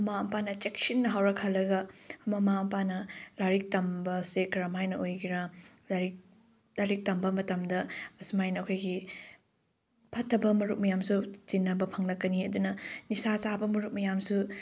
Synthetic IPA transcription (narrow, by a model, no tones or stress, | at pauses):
ɐmaɐmpanɐt͡ʃeksinːɐɦawɾɐkʰːalːɐɡɐmɐmaɐmpanɐlaɾik̚tɐmbɐsekɾamajnɐojɡiɾa | laɾik̚ | laɾik̚tɐmbɐmɐtɐmdɐɐsumajnɐːkʰojɡi | pʰɐtʰːɐbɐmɐɾuk̚mɐjamsutinːɐbɐpʰɐŋnɐkɐniɐdunɐnisasabɐmɐɾuk̚mɐjamsu